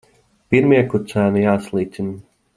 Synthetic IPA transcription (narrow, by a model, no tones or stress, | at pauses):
piɾmiɛkut̪sæːnijaːslˠiːt̪sʲin